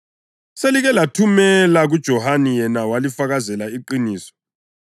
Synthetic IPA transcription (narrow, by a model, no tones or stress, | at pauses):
seliɣɛlatʰumɛlaɣud̥ʒ̥ʱɔhanijɛnawalifaɣazɛlaiǃiniːsɔ̥